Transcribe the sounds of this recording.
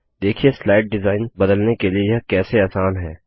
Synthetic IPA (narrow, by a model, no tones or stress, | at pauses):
d̪eːkʰijeslaːɪʈ̚ɖɪzaːɪnbɐd̪əlnekeliejɐɦkɛːseaːsaːnɦɛː